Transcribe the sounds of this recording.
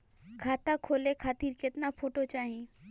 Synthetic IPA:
kʰaːt̪akʰoːlekʰaːt̪iːɾkɪt̪napʰoːʈot͡ʃaːɦẽː

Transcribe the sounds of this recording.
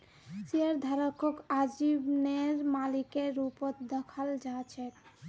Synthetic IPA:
siəɾd̪ʱaɾɔkʰokad͡ʒibneɾmalikeːupɔt̪d̪əkʰald͡ʒat͡ʃʰe

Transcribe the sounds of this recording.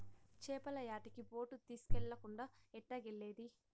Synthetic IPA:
t͡ʃɛːpɐlɐjaːʈikipoːʈut̪iːsu̥kɛɭːɐkuɳɖaːɛʈːɐɡeɭːeːd̪i

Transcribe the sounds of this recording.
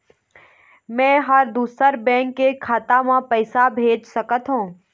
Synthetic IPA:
mɛ̃ːɦəɾd̪uːsəɾbɛ̃ːŋkːekʰaːt̪amãpəɪsabʱeːd͡ʒsɐkət̪ɦũː

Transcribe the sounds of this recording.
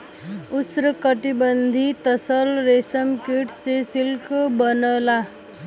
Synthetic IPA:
ʊsɾəkəʈibənd̪ʱit̪əsəlɾeːsəmkiʈsesɪlkbənəla

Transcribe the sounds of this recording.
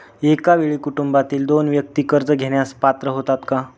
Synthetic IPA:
ekaʋeɭiːkuʈumbat̪iːld̪onʋjək̚t̪iːkəɾd͡zəɡʱeɽ̃jaspat̪ɾəɦot̪at̪ka

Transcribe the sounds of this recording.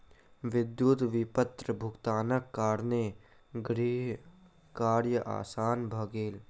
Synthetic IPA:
ʋɪd̪juːt̪ʋɪpət̪ɾəbʱʊkt̪aːnəkːaːɾne | ɡɾiːɦ | kaːɾjəʔa̰ːsaːnbʱəɡeːl

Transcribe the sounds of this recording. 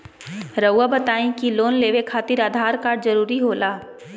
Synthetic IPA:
ɾəwːabɐt̪aːẽkiloːnleːʋekʰaːt̪ɪɾaːd̪ʱaːɾkaːɾɖzɐɾuːɾiɦoːlaː

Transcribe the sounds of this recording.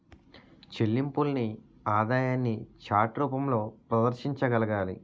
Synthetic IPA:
t͡ʃelːimpulni | aːd̪aːjaːnːit͡ʃaːʈɾuːpɐmlo̞ːpɾɐd̪ɐɾʃiɲt͡ʃɐɡɐlɐɡaːlḭ

